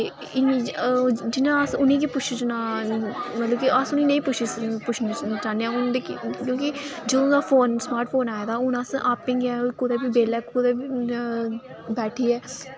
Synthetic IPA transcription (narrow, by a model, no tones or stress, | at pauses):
ɪn | d͡ʒɪnãːsʊnĩːk̬ipʊt͡ʃʰt͡ʃnaː | mət̪ləbkiʔəsʊnĩːnə̃ĩːpʊt͡ʃʰispʊt͡ʃʰnt͡ʃaːneãːʊnd̪eːkkjõːkɪd͡ʒəd̪õːd̪aːfʰoːnsmaːɾʈpʰoːnaːjd̪aːʊnasʔaːpɪ̃ːŋɡɛːkʊd̪eːbiːbeːlɛːkkʊd̪eːbiː | bɛːʈʰiːɛː